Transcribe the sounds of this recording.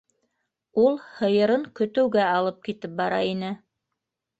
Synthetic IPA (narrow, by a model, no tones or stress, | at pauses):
ulˠhɤ̆jɤ̆ɾɤŋkɵ̆t̪ɘ̆wɡæɑlˠɤp̚kit̪ɘp̚bɑɾɑ̰inɘ